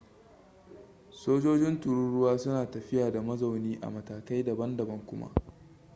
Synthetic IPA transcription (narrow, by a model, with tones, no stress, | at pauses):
soː˦d͡ʒoː˦d͡ʒɪ˦ntʊ˨ɾʊ˦ɽʊ˦waː˦sʊ˦naː˨tɐ˨ɸɪ˦jaː˨da˨mɐ˦za˨wniː˦ʔa̰˨mɐ˨taː˨ka˦jdɐ˨bɐ˦ndɐ˨bɐ˦ŋkʷʊ˦ma̰˦ʔ